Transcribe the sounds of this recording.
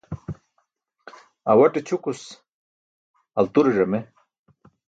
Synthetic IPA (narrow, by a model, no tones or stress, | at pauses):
a̰wɐʈet͡ɕʰukus | ɐlt̪uɾeʐɐme